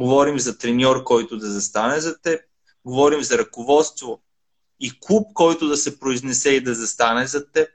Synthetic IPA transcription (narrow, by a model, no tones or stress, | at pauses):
ɡovɔɾimzɐt̪ɾɛnʲɔɾkɔjt̪ʊd̪ɐzɐst̪anɛzɐt̪ɛp̚ | ɡovɔɾimzɐɾɐkovɔt̪st̪vo | ikup̚kɔjt̪ʊd̪ɐsɛpɾoiznɛsɛid̪ɐzɐst̪anɛzɐt̪ɛp̚